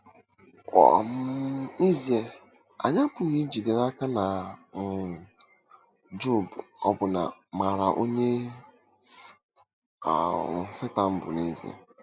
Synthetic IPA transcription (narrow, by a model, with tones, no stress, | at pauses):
ɔ̰˨m̩˦i˦zi˨e˨ | a̰˨ɲa˦pʊ˨ɣi˦d͡ʒi˨de˨na˦ka˦na˨ | d͡ʒu˦˨bɔ̰˦bʊ˨na̰˨ma˨ɾa˨ʔo˦ɲe˦˨˦ | sɪ˦ta˨m̩˦bʊ̰˨ne˦zḭ˨ḛ˨